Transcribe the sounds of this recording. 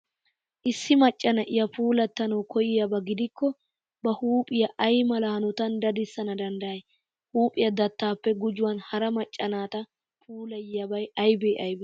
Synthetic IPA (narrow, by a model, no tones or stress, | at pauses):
ʔɪsːɪmɐt͡ʃʼːɐnɐʔɪjɐpuːlɐt̪ːɐnɐwkɔjɪjɐbɐɡɪd̪ɪkːɔ | bɐhuːpʼɪjɐʔɐjmɐlaːnɔt̪ɐnd̪ɐd̪ɪsːɐnɐd̪ɐnd̪ɐjɐj | huːpʼɪjɐd̪ɐt̪ːaːpːɛɡʊd͡ʒʊwɐnhɐɾɐmɐt͡ʃʼːɐnaːt̪ɐ | pʰuːlɐjɪjɐbɐjɐjbeːʔɐjbɛ